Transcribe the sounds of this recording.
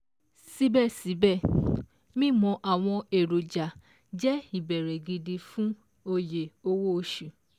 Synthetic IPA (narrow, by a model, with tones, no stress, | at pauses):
si˦bɛ˦˨si˨˦bɛ˦˨ | mĩ˦˨mɔ̃˧ʔa˨w̃ɔ̃˧e˨ɾo˨d͡ʒa˨ | d͡ʒɛ˦i˦˨bɛ˨ɾɛ˨ɡi˧di˧fũ˦ | o˧je˨o˧wo˦o˧ʃu˨